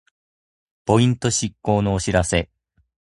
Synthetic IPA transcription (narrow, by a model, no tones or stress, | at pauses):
po̞ĩnt̪o̞ɕikːo̞ːno̞ːɕiɾase̞